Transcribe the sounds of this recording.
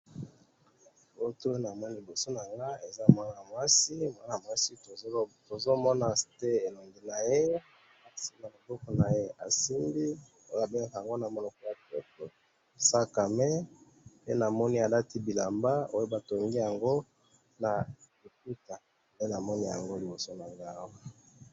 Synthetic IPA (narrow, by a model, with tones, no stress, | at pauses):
o˦to˦na˨mɔ˦ni˦li˨bo˨so˦na˨ŋɡa˦e˨za˦mwa˦na˨a˨mwa˦si˦mwa˦na˨mwa˦si˦to˨˦to˨zo˦mɔ˦na˨te˦e˨lo˨ndi˨na˨je˦ | a˨si˦na˨lo˨bɔ˦ko˨na˨je˦a̰˨si˦mbi˦ | o˦a˨be˦na˦˨ka˨a˨ŋɡo˦na˨mɔ˦na˨ko˦ja˨to˦to˨ | sa˦ka˨mɛ˦ | pe˦na˨mɔ˦ni˦a˨la˦ti˦bi˨la˨mba˦o˦jo˦ba˨to˨ŋɡi˦ja˨ŋɡo˦ | na˨li˨ku˦ta˨ | pe˦na˨mɔ˦ni˦ja̰˨ŋɡo˦li˨bo˨so˦na˨ŋɡa˦wa˦